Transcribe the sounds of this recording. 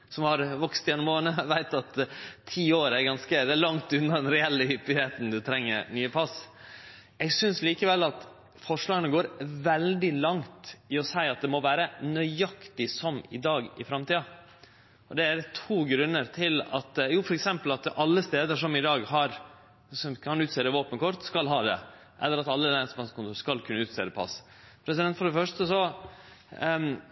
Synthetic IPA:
sɔmhɑɾʋɔkst̪jɛnːɔmoːnəʋæɪt̪ɑt̪ʰːiːoːɾæɾɡɑnskəd̪ɛæɾlɑŋt̪ʉnːɑd̪ɛnɾɛɛlːəhʏpːɪeːt̪n̩d̪ʉt̪ʰɾɛŋːə̰ɾnyːəpʰɑs | ɛɡsʏnsliːkəʋɛlːɑt̪ | fɔʂɭɑːɡənəɡoːɾʋɛld̪ɪlɑŋt̪ɪɔsæɪɑt̪̚d̪ɛmɔʋæːɾənœʏɑkt̪ɪsɔmɪ̰d̪ɑːɡɪfɾɑmt̪iːɑ | ɔd̪ɛæɾt̪ʰuːɡɾʉnːəɾt̪ʰɪlɑ̰t̪juːfɔɾɛksɛmpəlɑt̪ɑlːəst̪eːd̪əʂɔmɪd̪ɑːɡɦɑɾ | sɔmkʰɑnʉːt̪seːd̪əʋoːpənkɔɾt̪skɑlɦɑːd̪ɛ̰ | ʔɛlːəɾɑt̪ɑlːəlæsmɑskʊnt̪uːskɑlkʰʉnːʉːt̪sḛːd̪əpʰɑ̰s | pʰɾɛsɪd̪ɛnt̪fɔɖɛfœʂʈəsɔ

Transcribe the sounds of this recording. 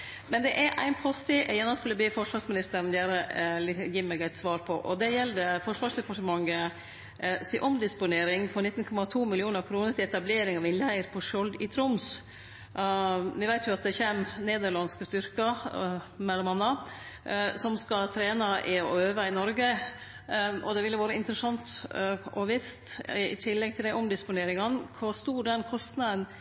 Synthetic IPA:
mɛnd̪ɛʔæʔæ̰ɪnpʰɔst̪ɪʔɛjɛnːɔskʉlːəb̪iːfɔʂʋɑɾsmɪnɪst̪əɾnjæɾəjiːmɛːɡæɪt̪sʋɑːɾpʰɔʔɔd̪ɛjɛld̪əfɔʂʋɑːʂd̪ɛpɑʈəmɑŋːə | sɪʔɔmd̪ɪspʊneːɾɪŋpʰɔnɪt̪ːn̩kʰɔmɑt̪ʰuːmɪlɪuːnəɾkʰɾuːnəɾʈ̪ʰɪlɛt̪ɑbleːɾɪŋɑʋɪnlæɪɾpʰɔʂɔld̪ɪt̪ʰɾʊms | ʋɪʋæɪt̪jʊɑt̪̚d̪ɛçeːmneːd̪əɾɭɑnskəst̪ʏɾkɑ | mɛlːɔmɑnːɑ | sɔmskɑt̪ʰɾeːnɑʔɪɔøːʋəɪnɔɾɡə | ʔɔ̰d̪ɛʋɪlːəʋoːɾəɪnt̪əɾəsɑnt̪ʔɔʋɪst̪ɪ̰t̪ʰɪlːɛɡ̚t̪ʰɪld̪æɪʔɔmd̪ɪspʊneːɾɪŋɑnkʰɑst̪uːɖɛnkʰɔst̪nɑd̪ən

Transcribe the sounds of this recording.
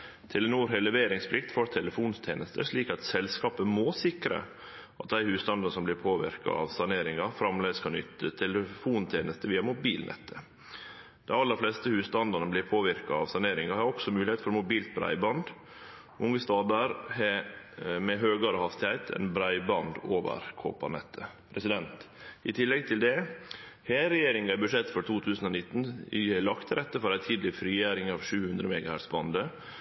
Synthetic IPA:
t̪ʰɪlənuːɾhɛlɛʋeːɾɪŋspʰlɪkt̪foːɾt̪ʰɛləfuːnt̪ʰeːnəst̪ʰəʂɭiːkɑt̪sɛlskɑːpəmosɪkɾə̰ | ʔɑt̪̚d̪æɪhʉːst̪ɑnd̪ɑnəsɔmblɪɾpʰoːʋɪ̰ɾkɑ̰ɑ̰ʋsɑneːɾɪŋɑfɾɑmleːd̪əskʰɑnʏ̰t̪ːət̪ʰɛləfuːnt̪ʰeːnəst̪əʋiːɑmʊbiːlnʔɛ̰t̪ʰːə | d̪̥ɛɪɑlːəɾflɛst̪əhʉːst̪ɑnd̪ɑnəblɪɾpʰoːʋɪɾkɑɑʋsɑneːɾɪŋɑhɑɾɔksɔmʉːlɪheːt̪fɔɾmʊbiːlt̪̚bɾæ̰ɪbɑnd̪ | ʔʊŋːəst̪ɑːd̪əɾɦɛ | mɛɦøːɡɑɾəhɑst̪ɪhæɪt̪ʰɛ̰ɪnbɾæɪbɑnd̪oːʋə̰ɾkʰo̰ːpɑ̰nɛt̪ʰːəpʰɾɛsɪd̪ɛnt̪ɪt̪ʰɪlːɛɡ̚t̪ʰɪld̪ɛheːɾɛjeːɾɪŋæbʉʂɛt̪ːfɔɾʈ̪ʰuːt̪ʰʉːsən̩ɔːnɪt̪ːn̩ɪɛlɑkt̪ɾʔɛt̪ːəfɔɾæɪt̪ʰiːd̪lɪfɾiːjæːɾɪŋɑːʋʂʉːhʉnd̪ɾəmɛːɡɑhæɾsbɑnd̪ə

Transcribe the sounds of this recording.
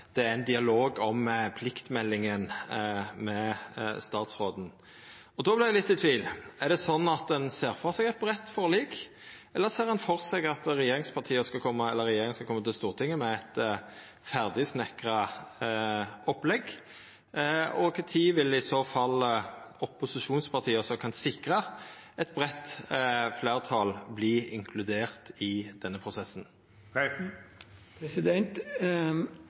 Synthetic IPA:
d̪̥ɛæɾɪnd̪ɪɑloːɡɔmpʰlɪkt̪mɛlːɪŋən | mɛst̪ɑːt̪sɾoːd̪n̩ | ɔd̪oːblɪd̪ɛlɪt̪ːɪt̪ʰʋiːlæʁd̪ɛsɔnːɑt̪̚d̪ɛnseːɾfɔɾsɛɡɛt̪bʁɛt̪ːfɔɾliːk | ɛlːəɾseːɾhɛnfɔʁsɛɡɑt̪ɾɛjeːɾɪŋspʰɑʁt̪ʰiːəskɑkʰɔmːəɛlːəɾɛjeːɾɪŋəskɑkʰɔmːət̪ʰɪlst̪uːʁt̪ʰɪŋːəmɛæt̪ | fæʁd̪ɪsnɛkɾə | ɔplɛɡ | ɔkʰt̪ʰiːʋɪlɪsoːfɑlɔpʊsɪʃuːnspʰɑʁt̪ʰiːəɔsɔkʰɑnsɪkʁə | ɛt̪̚bʁɛt̪fleːʁt̪ʰɑːlbliːɪ̰ŋkʰlʉd̪eːʁt̪ɪd̪̥ɛnːəpʰʁʊsɛsn | pɛsɪd̪ɛnt̪

